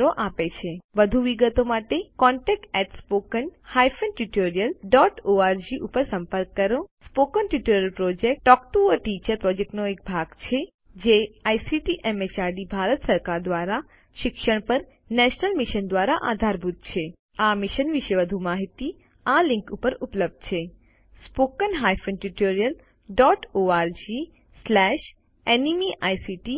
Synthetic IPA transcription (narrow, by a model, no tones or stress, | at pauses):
ɾoʔapet͡ʃʰeʋəd̪ʱuʋiɡət̪omaʈekɔ̃ɳʈɛk̚ʈɛʈspokənhajfənʈjuʈoɾijəlɖɔʈoaɾd͡ʒiʔupəɾsə̃mpəɾkːəɾospokənʈuʈoɾjəlpɾod͡ʒek̚ʈːɔkʈuəʈit͡ʃəɾpɾɔd͡ʒek̚ʈnoek̚bʱaɡt͡ʃʰe | d͡ʒeajsiʈiʔemet͡ʃaɾɖibʱaɾət̪səɾkaɾd̪ʋaɾa | ʃɪkʃəɳ̃pəɾ | nɛʃnəlmiʃənd̪ʋaɾaʔad̪ʱaɾbʱud̪̚ʱt͡ʃʰe | amiʃənʋɪʃəʋəd̪ʱumaɦit̪i | alĩŋkupəɾupləb̚d̪̥̚t͡ʃʰe | spokənɦajfənʈuʈoɾijəl | ɖɔʈoaɾd͡ʒi | slɛʃ | enimiʔajsiʈi